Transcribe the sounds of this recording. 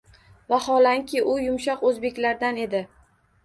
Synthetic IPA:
vahɒlaŋkʲʰɪʔʊjʊmʃɒqɵzbe̞kʲlaɾd̪ane̞d̪ɪ

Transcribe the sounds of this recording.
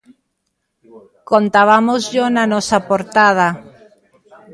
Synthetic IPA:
kont̪aβamozʎonanɔsapoɾt̪að̞a

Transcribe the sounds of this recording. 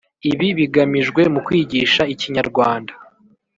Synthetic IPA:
iβiβiɡamiʒɡwe̞mukwiːɟiʃaiciɲaɾɡwaːndḁ

